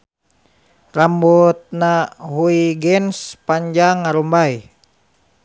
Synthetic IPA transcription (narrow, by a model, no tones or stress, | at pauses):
rambɔt̪̚naɦuiɡɛnspaɲd͡ʒaŋːaɾumbai